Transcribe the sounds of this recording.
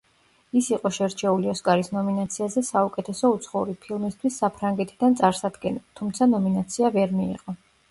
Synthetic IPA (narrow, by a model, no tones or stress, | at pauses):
isiqʼɔʃɛɾt͡ʃʰɛuliɔskʼaɾisnɔminat̪sʰiazɛsaukʼɛt̪ʰɛsɔut̪sʰχɔuɾipʰilˠmist̪ʰwisːapʰɾaŋɡɛt̪ʰid̪ant̪sʼaɾsad̪ɡɛnilˠt̪ʰumt̪sʰanɔminat̪sʰiavɛɾmḭːqʼɔ